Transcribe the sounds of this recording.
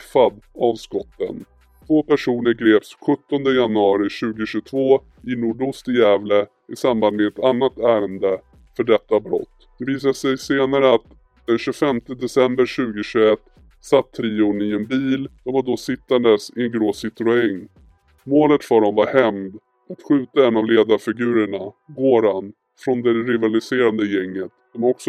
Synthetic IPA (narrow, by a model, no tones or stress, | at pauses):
fad̪avskɔt̪ːə̰n | t̪ʰvoːpæʂuːnəɾɡɾeːpsɧɵt̪ːɔnd̪əjanɵɑːɾɪɕʉ̟ːɡʊɕɵt̪ʰvoː | ɪnuːɖʊst̪ɪjɛːvlə | ɪsamband̪mɛɛt̪anːat̪æːɾənd̪ə | fœɖɛt̪ːabɾɔ̰t̪ːd̪̥ɛviːs̬asɛjseːnaɾəat̪ | d̪̥ɛnɕʉfɛmt̪əd̪ɛsɛmbəɾɕʉ̟ːɡəɕɵɛt̪ː | sat̪ʰːɾiːʊɳɪɛnbiːld̪ɔmvaɖɔsɪt̪ːand̪əsɪnɡɾoːsɪt̪ɾʊɛŋː | moːlət̪fœɖɔmvaɾhɛmd̪ | at̪ɧʉ̟ːt̪aɛnːavleːd̪aɾfɪɡʉ̟ːɾəɳaɡoːɾan | fɾɔnd̪ɛɾɪvalɪseːɾand̪əjɛŋːət̪d̪ɔmɔksɔ